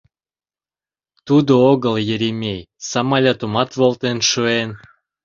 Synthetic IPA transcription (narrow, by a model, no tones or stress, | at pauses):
t̪ud̪ooɣəljeɾemʲej | sɑmɑlʲɑt̪umɑt̪volt̪enʃuen